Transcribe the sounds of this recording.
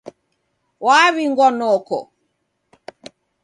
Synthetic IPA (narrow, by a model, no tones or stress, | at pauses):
waːβiŋɡwɔnɔkɔ̰